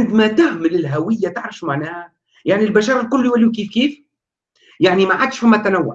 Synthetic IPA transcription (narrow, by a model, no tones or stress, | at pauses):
nd̪mæt̪æhməlɪlɦæwəjːæt̪əʕɾˤɑfʃumaʕnæːhæ | jaʕnilbæʃɑːɾˤɑlkʊlːuwælːiwkiːfkiːf | jaʕnimaʕad̪ʃfɪmːæt̪ænawːʊ̰ʕ